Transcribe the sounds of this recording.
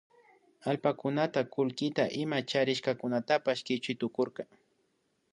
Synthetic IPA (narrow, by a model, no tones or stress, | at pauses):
alpakʊnat̪akʊlkɪt̪aʔɪmat͡ʃaɾɪʃkakʊnat̪apaʃkɪt͡ʃʊjt̪ʊkoɾka